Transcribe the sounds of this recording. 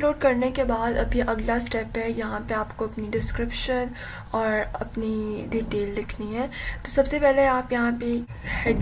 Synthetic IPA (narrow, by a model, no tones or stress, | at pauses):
loːɖkɐɾnekebaːd̪ɐ̰bʱiʔɐɡlasʈɛːpɦɛjɐɦãpeaːpkoɐpniɖɪskɾɪpʃən | ɔːɾɐpniɖiːʈeːlːɪkʰniɦɛːt̪osɐbsepɛɦleaːpjɐɦãpe | hɛɖ